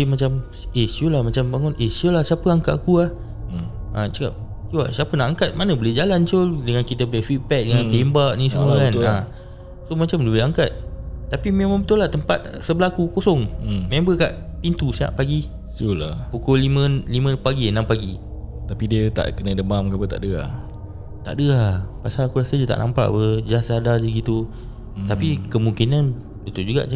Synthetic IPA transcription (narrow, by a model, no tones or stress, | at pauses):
imat͡ʃam | esiulahmat͡ʃambaŋɔnehsiolahsiapəaŋka̰ʔkuah | a̰t͡ʃəka̰p̚ | kuwa̰siapənaʔaŋkat̪̚manəboled͡ʒalant͡ʃoldəŋankit̪ab̚ulefit̪̚pɛk̚dəŋant̪embaʔnĩsəmulakana | somat͡ʃamləbɪɦaŋkat̪̚ːapimemãŋbət̪ʊlaht̪əmpat̪̚səbəlakukosɔŋmembəkaʔpint̪usəa̰ʔpaɡi | sulapukolimə̃limə̃paɡinãmpaɡi | t̪apidiət̪a̰ʔkənə̃dəmamkabət̪a̰ʔdəa̰ | t̪a̰ʔdəapasalakuɾasədiət̪a̰ʔnampa̰ʔbəd͡ʒasadad͡ʒəɡit̪u | t̪apikəmuŋkinan | bət̪ud͡ʒuɡa̰ʔ